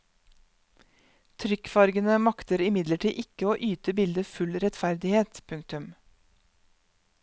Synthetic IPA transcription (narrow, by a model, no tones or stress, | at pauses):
t̪ʰɾʏkfɑɾɡənəmɑkt̪əɾɪmɪd̪ləʈʰiːʔɪkəoːʔyːt̪əbɪld̪əfʉlɾɛt̪fæɾd̪ɪheːt̪pʰʉŋk̚t̪ʉm